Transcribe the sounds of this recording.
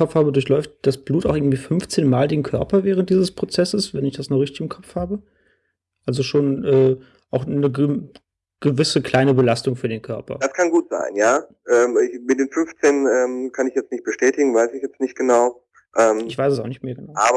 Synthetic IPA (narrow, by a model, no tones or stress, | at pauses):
ɔfhaːbədʊɐç̬lɔʏft̚d̥asb̥luːtaʊxɪɡŋ̩tv̥iːfʏnft͡seːnmaːldeːnkʰœɐpɐvɛːʁ̞əntd̥iːzəspʁ̥ot͡sɛsəsvɛnɪçd̥asnɔʁɪçtɪçɪmkʰɔpp͡fhaːbə | ʔalzoʃoːnʔɛː | ʔaʊxːə | ɡ̥əvɪsəkl̥aɪnəbəlastʊŋfyːɐdeːnkʰœɐpɐ̰d̥askʰanɡuːtz̥a̰ɪnjaː | ʔɛːmɪçmɪt̚d̥eːnfʏnft͡seːnʔɛːmkʰanɪçjɛt͡stnɪçt̚b̥əʃtɛːtɪɡŋ̩vaɪsɪçjɛt͡stnɪçt̚ɡ̥ənaʊ | ʔɛːmɪçv̥aɪsəs̬aʊxnɪçtmeːɐɡənaʊaː